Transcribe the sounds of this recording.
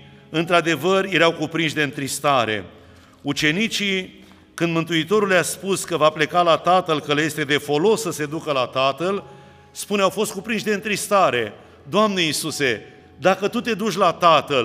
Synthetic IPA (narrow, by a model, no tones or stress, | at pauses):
ɨnt̪ɾad̪e̞vərje̞ɾawkupɾinʃʲd̪e̞ɨnt̪ɾist̪aɾe̞̰ | ut͡ʃe̞nit͡ʃi | kɨnd̪mɨnt̪uit̪o̞ɾuljaspuskəvaple̞kalat̪at̪əlkəlje̞st̪e̞d̪e̞fo̞lo̞sːəse̞d̪ukəlat̪at̪əl | spuneawfo̞st̪̚kupɾinʃd̪e̞ɨnt̪ɾist̪aɾe̞ | d̪oamne̞isuse̞ | d̪akət̪ut̪e̞d̪ut͡ʃʲlat̪at̪əl